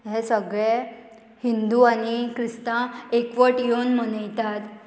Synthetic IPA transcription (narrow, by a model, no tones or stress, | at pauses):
ɦɛ̃səɡɭe | hind̪uaɽ̃ikɾist̪ãekʋəʈjonm̤əñəjt̪at̪